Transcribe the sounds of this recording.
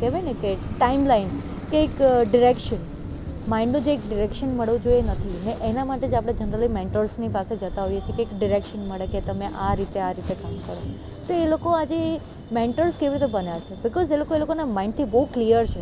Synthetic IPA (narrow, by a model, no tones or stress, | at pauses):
keʋenekeʈaimlain | keːkɖɪɾekʃən | maĩɳɖnũd͡ʒeːkɖɪɾekʃənməɭʋũd͡ʒoienət̪ʰineʔenamaʈed͡ʒapɽ̃ed͡ʒənəɾəlimẽɳʈəɾsnipased͡ʒət̪aɦojet͡ʃʰekeːkɖɪɾekʃənməɭeket̪əmẽʔaɾit̪eaɾit̪ekamkəɾo | t̪oelokoad͡ʒe | mẽɳʈəɾskeʋiɾit̪ebənjat͡ʃʰebɪkɔzelokoelokonamaɪ̃ɳɖt̪ʰibəɦuklijəɾt͡ʃʰe